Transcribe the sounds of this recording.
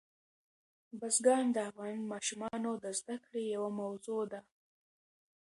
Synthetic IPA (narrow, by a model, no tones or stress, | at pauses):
bazɡɑnd̪əafɣɑnmɑʃumɑnod̪əzd̪akɽejawamawzod̪a